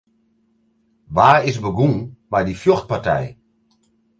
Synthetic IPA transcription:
ʋaːɪsbəɡunmajdifjoxt̚partɛ̰j

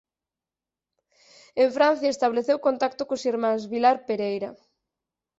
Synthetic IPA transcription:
eɱfɾãn̟θjaest̪aβleθewkont̪ak̚t̪okosiɾmãzβilaɾpeɾejɾa

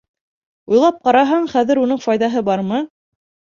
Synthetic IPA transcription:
ujlˠɑp̚qɑɾɑɦɑɴχæðɘɾunɤɴfɑjðɑɦɤbɑɾmɤ

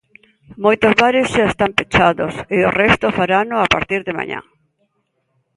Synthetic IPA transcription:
mojt̪ozβaɾɪsʃaest̪ampet͡ʃaðosɪorɛst̪ofaɾanoapa̰ɾt̪iɾðɪma̰ɲa̰ŋ

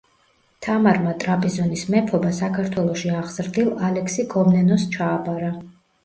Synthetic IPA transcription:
t̪ʰamaɾmat̪ʼɾapʰʼɛzɔnismɛpʰɔbasakʰaɾt̪ʰwɛlˠɔʃiaʁz̥ɾd̪ilˠalɛksiɡʰɔmnɛnɔst͡ʃʰaːbaɾa

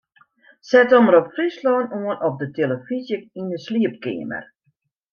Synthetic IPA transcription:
sɛtɔməɾɔpfrislɔːnuənɔp̚dətʰeləfizjək̚indəsliəp̚kɪ̰əmə̰r

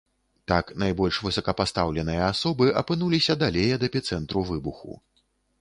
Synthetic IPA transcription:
t̪aknajbɔlʲʂvɨsɐkɐpast̪awlʲɛnɨjɐasɔbɨʔɐpɨnulʲisʲɐd̪alʲejɐd̪ɛpʲit̪sɛnt̪ɾuvɨbuxṵ

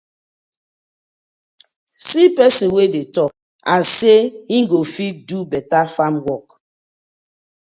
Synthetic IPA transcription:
sipɛsĩnwedetɔk̚ | aseĩŋɡofit̚dubɛtafamwɔk

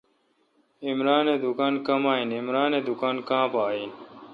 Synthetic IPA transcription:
ɪmɾaːnẽːd̪ʊkaːnkɐmaːinɪmɾaːnẽːd̪ʊkaːnkãːpaːiːn

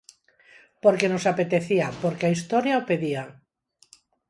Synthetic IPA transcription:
poɾkenosapet̪eθiapoɾkeaist̪ɔɾjaopeðia

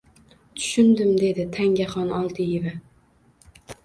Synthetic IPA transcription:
t̪ʰʊ̥ʃʊnd̪ɪmd̪e̞d̪ɪt̪ʰaŋɡʲaχɒnɒlˠt̪ʰɪjɪvɪ

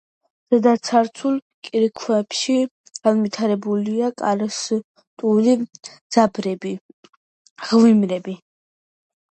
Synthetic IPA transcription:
z̥ɛd̪asʰaɾt̪sʰulˠ | kʼiɾikʰwɛpʃi | ɡ̥anvit̪ʰaɾɛbuliakʼaɾs | t̪ʼulid̪z̥abɾɛbi | ʁlimɾɛbi

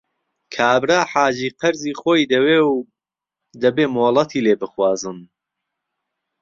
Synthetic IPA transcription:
kʰaːbɾaːħaːd͡ʒiːqɐɾziːxoːjd̪ɐweːw | d̪ɐbeːmoːlˠɐt̪ʰiːleːbɨxwaːzɨm

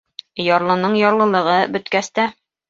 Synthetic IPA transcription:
jɒɾlˠɤ̆nɤɴjɒɾlˠɤ̆lˠɤ̆ʁɤbɵ̆t̪kæst̪æ

